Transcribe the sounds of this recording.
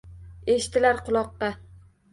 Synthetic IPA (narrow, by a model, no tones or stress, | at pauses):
eʃt̪ʰɪlaɾqʰʊlˠɒqːɑ